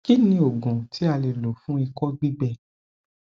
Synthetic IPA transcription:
ki˦nĩ˦o˨ɡɔ̃˨tʰi˨˦a˧le˨lo˨fũ˦i˧kɔ˦ɡ͡bi˦ɡ͡bɛ˦˨

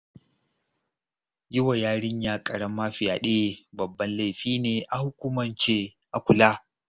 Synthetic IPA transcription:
jɪ˦wa˨jaː˦ɽɪ˦ɲjaː˦kʼɐ˨ɽɐ˦mːɐ˦ɸɪ˨jaː˨ɗeː˦bɐ˨bːɐ˦nla˦˨jɸiː˦neː˨ʔa˨hʊ˦kʷu˦mɐ˨nt͡ʃeː˦ | ʔa˨kʷʊ˨laː˦

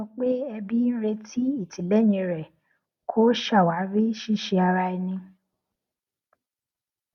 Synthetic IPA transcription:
ɔ˧k͡pe˦ɛ˧bi˦n̩˦ɾe˧tʰi˦i˦˨ti˨lɛ˨˦˨ɲĩ˧ɾɛ˨ | kʰo˦ʃa˦˨wa˨˦ɾi˦ʃi˦˨ʃi˧a˧ɾa˧i˧nĩ˧

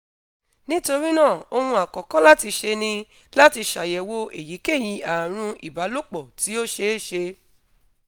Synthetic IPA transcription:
nĩ˦to˧ɾi˦nãː˦˨o˧hũ˧a˨kɔ˨kɔ˨˦la˦ti˧ʃe˧nĩ˧ | la˦ti˧ʃa˨jɛ˨wo˧e˨ji˨˦ke˦˨j̃ĩ˧˦a˨ɾ̃ũ˧i˨ba˨˦lo˦k͡pɔ˨ti˨˦o˦ʃe˦e˦˨ʃe˧

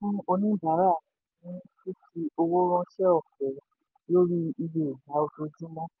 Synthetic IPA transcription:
ũ˦o˧nĩ˦˨ba˨˦ɾa˦a˨i˨˦nĩ˦si˦ti˧˦o˧wo˦ɾ̃ɔ̃˧ʃɛ˦ɔ˦˨fɛ˨ | jo˦ɾi˧i˧be˨ɡa˨˦o˧to˧d͡ʒĩ˦mɔ̃˦

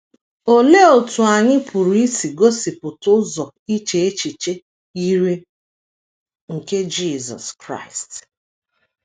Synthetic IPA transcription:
o˦le˦o˨tu˨a˨ɲɪ˦pʰu˨ɾu˨i˦si˨ɡo˦si˨pʊ˨tʊ˦zɔ˨ | i˦t͡ʃe˨e˦t͡ʃi˨t͡ʃe˦ | i˦ɾe˦ | ŋ̩˨ke˦d͡ʒi˦˨zɔ̰˨skɾa̰˦˨ɪ˨st

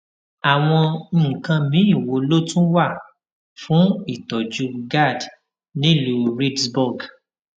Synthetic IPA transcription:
a˨w̃ɔ̃˧n̩˦˨kã˧mĩ˨˦i˦˨wo˧lo˦tũ˦wa˦˨ | fũ˦i˦˨tɔ˨d͡ʒu˨˦ɡa˦˨d | nĩ˦˨lu˨ɾi˦dsbu˦˨ɡ

